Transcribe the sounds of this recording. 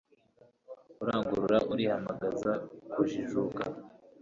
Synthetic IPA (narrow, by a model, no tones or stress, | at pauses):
uɾaːŋɡuɾuɾaʔuɾihamaɡazakuʒiʒuka